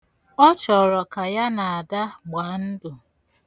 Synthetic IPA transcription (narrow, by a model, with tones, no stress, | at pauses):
ɔ˦t͡ʃɔ˨ɾɔ˨ka˨ja˦na˨a˨da˦ɡ͡ba˨˦n̩˦dʊ˨